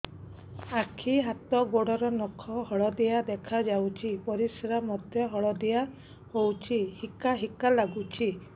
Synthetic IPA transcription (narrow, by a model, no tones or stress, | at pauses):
akʰiɦat̪ɔɡoɽɔɾɔnɔkʰɔhɔɭɔd̪ijad̪ekʰad͡ʒawt͡ʃʰipɔɾisɾamɔd̪jɔɦɔɭɔd̪ija | howt͡ʃʰihikaɦikalaɡut͡ʃʰi